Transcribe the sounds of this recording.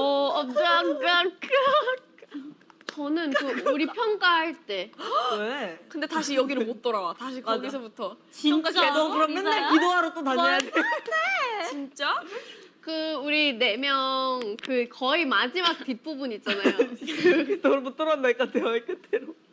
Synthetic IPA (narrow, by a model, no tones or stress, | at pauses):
ʌʌaŋk͈ak | t͡ɕʌnɯnkɯuɾipʰjʌŋk͈aɦaɭt͈e̞ekɯnde̞taɕ̬ʰijʌɡiɾɯɭmot͈ʌɾawataɕʰikaɡis̬ʰʌbutʰʌ | t͡ɕiat͡ɕeokɯɾʌmjʌnːekidoaɾot͈otaɲaadenet͡ɕint͡ɕ͈akɯuɾine̞mjʌŋkɯkʌimad͡ʑimak̚t͈ip͈ubunit͡ɕ͈anajo | toɯɭmot͈ʌɾanːeɭk͈adeʌk͈ɯt͈eɾo